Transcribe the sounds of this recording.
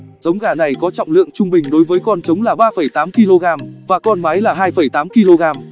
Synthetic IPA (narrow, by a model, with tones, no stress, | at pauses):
zə˨˦wŋ͡mɣaː˧˩na˨˩jkɔ˨˦t͡ɕɔ̰˧˨wŋ͡mlɨ̰˧˨əŋt͡ɕʊ˧ŋ͡mɓï˨˩ŋ̟ɗo˨˦jvəː˨˦jkɔ˧nt͡ɕə˨˦wŋ͡mlaː˨˩ɓaː˧fə˧˩jt̪aː˨˦mki˧lo˧ɣaː˧mvaː˨˩kɔ˧nma˨˦jlaː˨˩ɦaː˧jfə˧˩jt̪aː˨˦mki˧lo˧ɣaː˧m